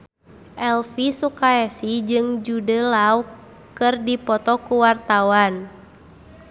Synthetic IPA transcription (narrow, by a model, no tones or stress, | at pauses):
ʔɛlfisukaɛsid͡ʒɨŋd͡ʒudəlau | kɨrdipɔt̪ɔkuwart̪awan